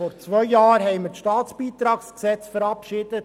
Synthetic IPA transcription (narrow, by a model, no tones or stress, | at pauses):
ɔɾt͡sʋœʏːɑːɾɦɛɪməɾʃtɑːtsb̥iːt̪ɾɑːksksɛt͡sfəɾɑpʃɪd̥ət